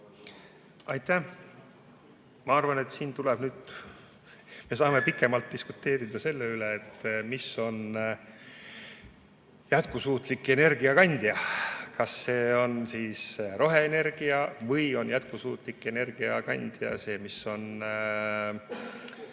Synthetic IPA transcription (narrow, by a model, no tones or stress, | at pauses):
ɑjt̪æ | mɑɑrvɑne̞t̪siːnt̪ulɛb̥nyːd̪̥ | mesɑːme̞pikːˑe̞mɑlt̪̚d̥̪isku̥t̪ːe̞ːɾid̪̥ɑse̞lːeyleːt̪ːmisːo̞n | jæt̪̚kusuːt̪ˑlikːˑe̞ne̞rɡ̥iɑkɑnʲd̪̥ijɑkɑsːe̞ːo̞nsiːsro̞ɦe̞ːne̞rɡ̥iɑvɤjo̞njæt̪̚kusuːt̪ˑlikːˑe̞ne̞rɡ̥iɑkɑnʲd̪̥jɑ̰se̞ːmiso̞n